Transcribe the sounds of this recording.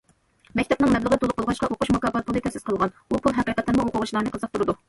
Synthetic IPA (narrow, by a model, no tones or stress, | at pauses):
mɛkʲt̪ʰɛp̚nɨŋmɛblˠəʁət̪olˠʊqolˠʁɑʃqɑʔoquʃmukɑːbɑt̪̚pʰulˠɨt̪ʰɛsɪsqʰəlˠʁɑn | upʰulˠɦɛqiːqət̪ʰːɪnmuoqʊʁʊʃilˠɑnɨqʰəzəq̚t̪ʰuɾɨd̪u